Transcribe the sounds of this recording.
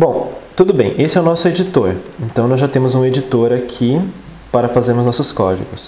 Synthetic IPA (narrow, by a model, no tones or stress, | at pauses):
bõt̪ud̪ʊbẽj̃ʔesɪɛwnɔsʊed͡ʒit̪oɾẽnt̪ɐ̃w̃nɔzʒat̪ẽmʊzũed͡ʒit̪oɾakʰi | paɾɐfazeɾmʊznɔsʊskɔd͡ʒḭɡʊs